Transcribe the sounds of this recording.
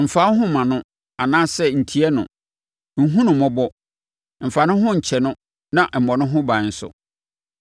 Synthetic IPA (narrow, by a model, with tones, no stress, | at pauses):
m̩˨fa˨˦ɦʊ̃˦mã˨nʊ̃˦ | a˨nãː˦sɛ˦n̩˨tʰi˦ɛ˦nʊ̰̃˨ | ŋ̩˦ɦũ˦nʊ̃˨mɔ̃˦bɔ˦ | m̩˨fa˨nʊ̃˦ɦʊ̃˦ɲ̩˨t͡ɕʰɛ˨nʊ̃˦ | nã˨ʔm̩˨mɔ̃˨nʊ̃˦ɦʊ̃˦bã˨˦n̩˦sʊ̰˦